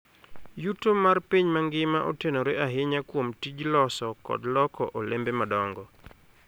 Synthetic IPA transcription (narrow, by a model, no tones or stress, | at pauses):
jutomarpiɲmaŋɡɪmaʔotenoɾeaɦɪɲakwomtid͡ʒlɔsɔkɔ̰dlɔkɔʔolembemadɔŋɡɔ